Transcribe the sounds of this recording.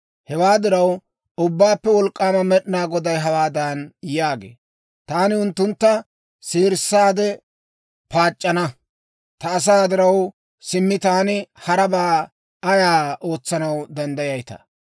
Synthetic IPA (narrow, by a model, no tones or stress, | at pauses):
hɛwaːd̪ɪɾɐw | ʊbːaːpːɛwɔlkʼːaːmɐmɛɗɪnaːɡɔd̪ɐjɦɐwaːd̪aːnjaːɡḛː | t̪aːnɪʊnt̪ːʊnt̪ːɐ | seːɾsːaːd̪ɛ | paːt͡ʃʼːɐnɐ | t̪ɐːs̬aːd̪ɪɾɐw | sɪmːɪt̪ɐɐnɪhɐɾɐbaː | ɐjaːo̞ːt͡sːɐnɐwd̪ɐnd̪ɐjɐjt̪ɐ̰